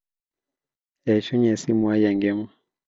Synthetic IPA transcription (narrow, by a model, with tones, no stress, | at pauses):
ɛ˨i˨ʃu˦ɲɛ˨si˦mwa˦ja˨ŋɡɛ˦ma˦